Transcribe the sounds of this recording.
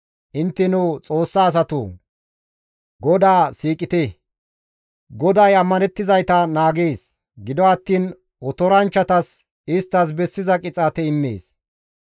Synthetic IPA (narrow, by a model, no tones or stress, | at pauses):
ʔɪnt̪ːɛnʊt͡sʼo̞ːsːaːs̬ɐt̪ṵ | ɡɔd̪aːsiːkʼɪt̪ɛ | ɡɔd̪ɐjɐmːɐnɛt̪ːɪzɐjt̪ɐnaːɡeːs | ɡɪd̪ɔɐt̪ːiːn | ɔt̪ɔɾɐnt͡ʃːɐt̪ɐs | ɪst̪ːɐs̬bɛsːɪzɐkʼɪt͡sʼaːt̪ɛɪmːḛːs